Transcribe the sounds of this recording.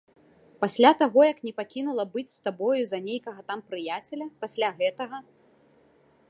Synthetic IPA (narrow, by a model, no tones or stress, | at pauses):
pasʲlʲat̪aɣɔjɐknʲɛpakʲinulˠɐbɨt͡sʲst̪abɔjuzɐnʲejkɐɣɐt̪ampɾɨjat͡sʲɛlʲɐpasʲlʲaɣɛt̪ɐɣɐ